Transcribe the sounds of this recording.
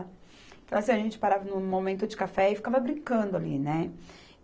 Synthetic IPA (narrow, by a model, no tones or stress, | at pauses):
t̪ɐ̃w̃asĩɐaʒẽnt͡ʃɪ̥paɾavɐnʊ̃momẽnt̪ʊd͡ʒɪkafɛɪfi̥kavɐbɾĩŋkɐ̃nd̪ʊalḭnɛ